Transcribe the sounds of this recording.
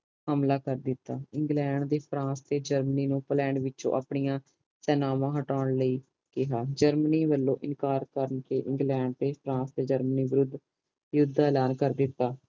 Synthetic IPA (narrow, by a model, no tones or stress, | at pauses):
həmlaːkəɾd̪ɪt̪ːaːɪ̃ŋɡlɛːɳɖd̪eːpʰɾãːst̪eːd͡ʒəɾməniːnũːplɛːɳɖʋɪt͡ʃõ̰ːʔa̰ːpɳijãː | sɛːnaːʋãːɦəʈaːɳləiː | kɪɦaːd͡ʒəɾməniːʋəlːõ̰ːʔɪnkaːɾkəɾənkeːʔɪ̃ŋɡlɛːɳɖ̚t̪eːpʰɾãːsd̪eːd͡ʒəɾməniːʋɪɾʊd̪ː | jʊd̪ʱːaːɛlaːnkəɾd̪ɪt̪ːaː